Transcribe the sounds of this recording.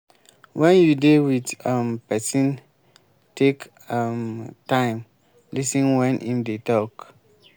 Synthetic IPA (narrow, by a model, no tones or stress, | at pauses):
wʔɛ̃njudewidampɛsĩn | tek | amtãɪ̃m | lisĩnwɛ̃nʔĩmdetɔk